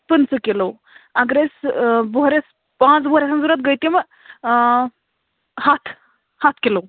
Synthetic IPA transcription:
pənsəkelo | aɡɾesboɦɾes | pãt͡sboɦɾesanzuɾat̪̚ɡəjt̪imə | hat̪ʰ | hat̪ʰkilo

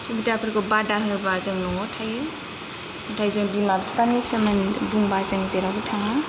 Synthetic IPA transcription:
subidapʰɯɾɡɔbadaɦɯɾbazɯŋnɔtʰajɯ | tʰajzɯŋbimabspanesɐmɐnbuŋbazɯŋzeɾaɡutʰaŋa

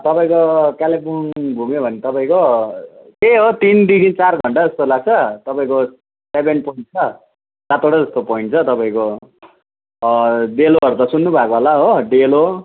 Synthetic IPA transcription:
t̪ʌpaĩkokalepunbʱumjobʱʌnet̪ʌpaĩko | k̪eɦot̪ind̪iɡint͡sarɡʱʌɳʈad͡zʌst̪olaɡ̚t͡sʰʌt̪ʌpaĩko | sebʱenpoĩɳʈ̚t͡sʰʌ | sat̪oɽʌd͡zʌst̪opoiɳʈt͡sʰʌt̪ʌpaĩko | ɖeloɦʌɾut̪ʌsunːubʱakoɦolaɦoɖelo

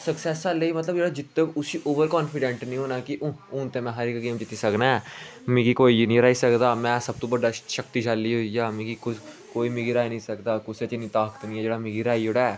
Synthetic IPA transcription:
səksɛːsaːlːeiːmət̪ləbd͡ʒeːɽaːd͡ʒɪt̪ːeʊsiːʔoːʋəɾkɔːnfʰɪɖɛ̃ːɳʈnĩːɦoːnaːkɪʔʊ̃ʊ̃ːnt̪eːmɛ̃ːɦəɾeːkɡeːmd͡ʒɪt̪ːiːsəknaːmɪ̃ɡiːkoːinĩːɾaːiːsəkd̪aːmɛ̃ːsəb̚t̪õːbəɖaːʃək̚t̪iːd͡ʒaːlːiːɦoːijaːmɪ̃ɡiːkʊ | koːiːmɪɡiɾaːinəĩːsəkd̪aːkʊset͡ʃɪnĩːt̪aːkə̥t̪nĩːɛːd͡ʒeːɽaːmɪɡiɾaːioːɽaː

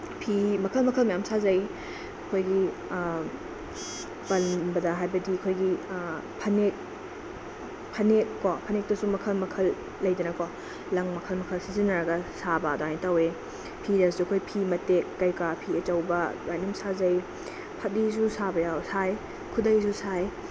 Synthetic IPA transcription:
pʰimɐkʰɐlmɐkʰɐlmɐjamsazɐj | ɐkʰojɡi | pɐlbɐdɐɦajbɐdiɐkʰojɡi | pʰɐnek̚ | pʰɐnek̚ːɔpʰɐnek̚tɐsumɐkʰɐlmɐkʰɐlː | ɐjdɐnɐkɔ | lɐŋmɐkʰɐlmɐkʰɐlsizinːɐɾɐɡɐsabɐdoajnitɐwe | pʰidɐsuɐkʰojpʰimɐtekːɐjkapʰiɐt͡ʃɐwbɐdajnumsazɐj | pʰɐt̚disusabɐjawsaj | kʰudɐjzusaj

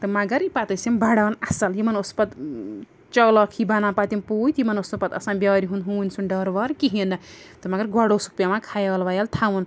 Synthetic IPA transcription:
t̪ɐmaɡɐɾipat̪ɐsimbaɽanasɐljimɐnospɐt̪ | t͡ʃɔlɔkʰibanapat̪impujt̪jimɐnosnupɐt̪ɐ̰sãnbjaɾiɦunɦunʲsunɖʌɾʋaɾkiɦinɐt̪ɐmaɡɐɾɡɔɽosu̥k̚pjamakʰajalʋajalt̪ʰawun

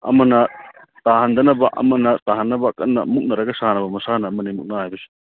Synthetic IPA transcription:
ɐ̰mɐnɐ | tahand̪ɐnɐbaʔɐ̰mɐnɐtaɦanːɐbakːɐ̰nːɐ̰muk̚nɐɾɐɡɐsanɐbɐmɐsanɐːmɐnimuk̚naɦajbɐsi̥

